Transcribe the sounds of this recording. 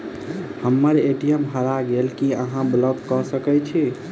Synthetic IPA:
həmːəɾeʈijəmɦəɾaɡelkiəɦãblɔɡkɔsəkɛt͡ʃʰi

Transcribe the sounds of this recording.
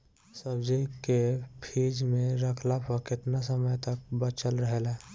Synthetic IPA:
səbd͡ʒikepʰiːd͡ʒmẽɾəkʰlapʰəkɪt̪nas̬əməjt̪ək̚bət͡ʃəlɾəɦelɛː

